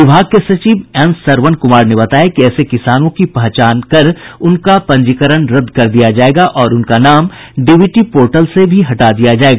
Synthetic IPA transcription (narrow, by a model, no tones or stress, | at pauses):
ʋɪbʱaːɡ̚kesɐt͡ʃiːʋɛ̃ːnsɐɾʋənkʊmaːɾnebɐt̪aːjakiɛːsekɪsaːnõkipɐɦt͡ʃaːnkɐɾʊnkapɐ̃ɲd͡ʒɪkəɾəɳɾɐd̪kɐɾd̪ijad͡ʒaːeːɡaʔɔːɾʊnkanaːm | ɖɪʋiʈipoːɾʈəlsebʱiɦɐʈad̪ijad͡ʒaːeːɡaː